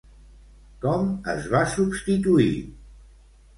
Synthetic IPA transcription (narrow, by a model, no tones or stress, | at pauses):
kɔmə̰zβasubst̪it̪uḭ